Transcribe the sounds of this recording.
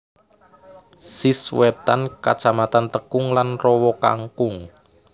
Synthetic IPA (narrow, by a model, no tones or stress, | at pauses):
siswɛt̪anka̰̥t͡ʃamat̪ant̪əkʊŋlanrɔwɔka̰ŋkʊŋ